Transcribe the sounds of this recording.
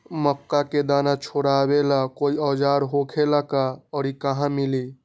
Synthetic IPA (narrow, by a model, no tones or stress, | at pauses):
məkːaked̪anat͡ʃʰoɾabelakoiɔd͡ʒaɾɦokʰelakaɔɾikaɦãmili